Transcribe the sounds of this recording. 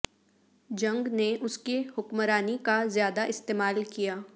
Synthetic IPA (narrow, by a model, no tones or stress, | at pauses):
d͡ʒɐ̃ŋɡneʔʊskehʊkmɾaːnikazjaːd̪aʔɪst̪eːmaːlkijaː